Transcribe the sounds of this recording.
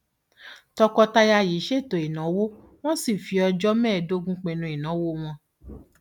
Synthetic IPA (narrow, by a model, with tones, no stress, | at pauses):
tɔ˧kɔ˧ta˧ja˧ji˨˦ʃe˦˨to˨i˨nã˨˦wo˦ | w̃ɔ̃˦si˦˨fi˨˧ɔ˧d͡ʒɔ˦mɛ̃ː˦˨do˦ɡũ˦k͡pẽ˧nũ˧˦i˨nã˨˦wo˦w̃ɔ̃˧